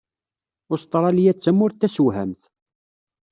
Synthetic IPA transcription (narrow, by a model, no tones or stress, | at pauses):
ʊst̪ˤɾˤɑljæt͡sːəmʊɾt̪ːæsuwɦæ̰mθ